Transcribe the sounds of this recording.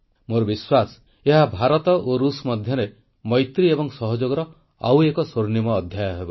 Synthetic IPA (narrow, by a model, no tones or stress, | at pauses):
moɾɔbiswasɔ̥ | eɦabʱaɾɔt̪ɔʔoɾusmɔd̪ʱjɔɾe | mɔjt̪ɾiebɔŋsɔɦɔd͡ʒoɡɔɾɔ | a̰wekɔsoɾnimɔːd̪ʱjajɔɦebɔ